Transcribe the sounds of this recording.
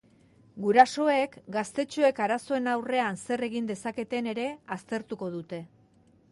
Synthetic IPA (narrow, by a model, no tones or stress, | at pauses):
ɡuɾaso̞e̞kɡast̪e̞t͡ʃue̞kaɾaso̞e̞nawre̞anse̞re̞ɣ̞ind̪e̞sake̞t̪e̞ne̞ɾe̞ast̪e̞ɾt̪uko̞ðut̪e̞